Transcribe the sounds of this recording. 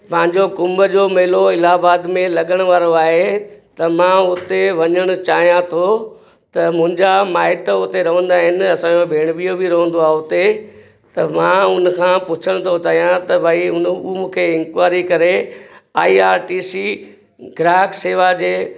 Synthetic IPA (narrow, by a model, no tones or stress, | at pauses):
pɐ̃ɦɪ̃ɲd͡ʑokʊ̃mbəd͡ʑomeɦloɪlaːbaːd̪mẽlɐɠəɽ̃ʊʋaːɾoaːɦet̪ɐmãːʊt̪eʋɐɲəɽ̃ʊt͡ɕaːɦijãt̪ʰo | t̪ɐmʊ̃ɦɪ̃ɲd͡ʑamaːɪʈʊt̪eɾɐʋə̃nd̪aɦɪnɪ̆ɐsãːjobʱeːɽ̃bijobiɾɐɦə̃n̆d̪oaːɦʊt̪e | t̪ɐmãːʊnkʰãːpʊt͡ɕʰəɽ̃t̪ʰot͡ɕaːɦijãt̪ɐbʱaːiʊnumũːkʰeɪ̃ŋkwaːɾikɐɾeaːiːaːɾʈiːsiː | ɡɾaːkseːʋad͡ʑeː